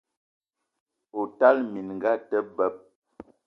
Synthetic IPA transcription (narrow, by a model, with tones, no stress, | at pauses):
o˨ta˦lmi˨nŋ˨ɡa˦tə˦bə˦p̚